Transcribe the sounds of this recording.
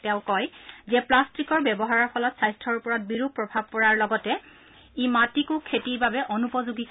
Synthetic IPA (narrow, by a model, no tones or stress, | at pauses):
tɛʊ̃kɔjzɛplastikɔɹbjɛbɔɦaɹɔɹpʰɔlɔtsajstʰɔɹupɔɹat̚biɹupːɹɔbʱab̚kɔɹaɹlɔɡɔtɛ | imatikʊ̃kʰetiɹbabɛʔɔnupɔzuɡik